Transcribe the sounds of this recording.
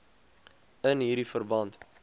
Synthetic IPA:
ənɦiːɾifərbɐnt

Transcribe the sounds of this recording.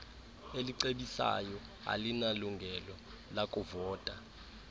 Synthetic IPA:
eliǀeɓisa̰jɔ | a̰linaluŋɡʱɛlɔ | lakʼuvɔːtʼa

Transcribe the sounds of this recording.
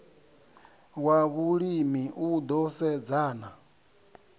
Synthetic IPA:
waβuɺimiʔud̪ɔsɛd͡zaːna

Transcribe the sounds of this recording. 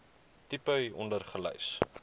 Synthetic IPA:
tipəjɔ̰ndərχələ̰js

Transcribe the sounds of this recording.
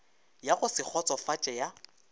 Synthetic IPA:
jaχʊsɪk͡xʰɔt͡sʼɔfat͡ʃʼɛja

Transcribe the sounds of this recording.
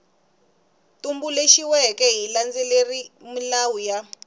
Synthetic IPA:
tumbuleʃiwɛkɛɦiland͡zɛlerimulawuja

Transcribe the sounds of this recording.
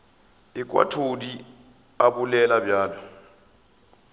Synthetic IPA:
ɪkʼwa̰tʰodi | abulɛlabjaːla

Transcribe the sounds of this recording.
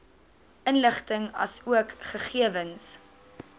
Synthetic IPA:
ʔənləχtəŋɐsuəkχəχiəvəns

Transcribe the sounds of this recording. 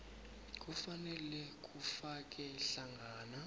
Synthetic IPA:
k̬ʼufanɛlɛk̬ʼufak̬ʼɛɬaŋɡʱaːna

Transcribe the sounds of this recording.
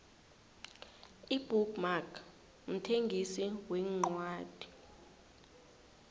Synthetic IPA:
ib̥ukmakʰ | m̩tʰeŋɡʱisiwɛŋ͡ǃwaːd̥ʱi̥

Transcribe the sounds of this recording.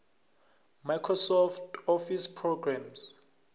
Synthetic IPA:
majkʰrɔsɔftʰɔfispʰrɔɡrams

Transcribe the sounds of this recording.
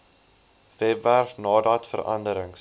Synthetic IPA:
vɛtværfnɑːdɐtfəɾɐ̰ndəɾəŋs

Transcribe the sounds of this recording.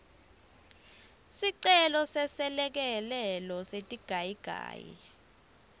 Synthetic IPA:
siǀɛlɔsɛsɛlɛk̬ɛlɛlɔsetʼiɡ̥ʱajiɡ̥ʱa̰ːjḭ

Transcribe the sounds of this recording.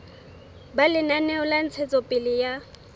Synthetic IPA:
balɪnanɛʊlan̩t͡sʰɛt͡sʼɔpʼɪlɪja

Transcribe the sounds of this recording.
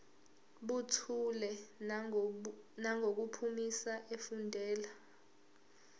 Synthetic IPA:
ɓutʰulɛ | naŋʱok̬upʰumisaʔefundʱɛːla

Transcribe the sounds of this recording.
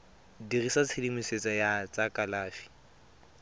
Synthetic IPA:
dirisat͡sʰɪlimiset͡sʼajat͡sʼakʼalaːfi̥

